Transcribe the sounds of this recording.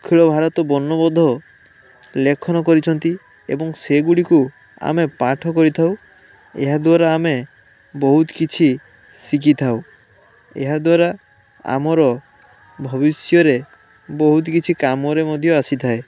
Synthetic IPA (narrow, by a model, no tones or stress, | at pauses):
kʰiɭɔbʱaɾɔt̪ɔbɔnːɔbɔd̪ʱɔ | lekʰɔnɔkɔɾit͡ʃʰɔnt̪i | ḛbɔŋseɡuɽiku | a̰mepaʈʰɔkɔɾit̪ʰaw | eɦad̪waɾaːme | bɔɦut̪kit͡ʃʰi | sik̬it̪ʰaw | ḛɦad̪waɾa | a̰mɔɾɔ | bʱɔbisjɔɾe | bɔɦut̪kit͡ʃʰikamɔɾemɔd̪ʱjɔasit̪ʰae